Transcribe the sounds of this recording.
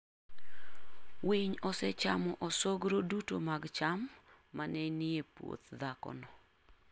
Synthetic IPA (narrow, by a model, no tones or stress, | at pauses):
wiɲɔsɛt͡ʃamɔʔɔsoɡɾoduto̰maɡt͡ʃamː | anɛniepwo̰t̪d̪akɔ̰nɔ